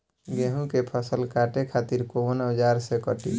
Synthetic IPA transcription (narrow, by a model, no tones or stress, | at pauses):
ɡeɦũkepʰəsəlkaʈekʰat̪iɾkoənəd͡ʒaɾsekəʈḭ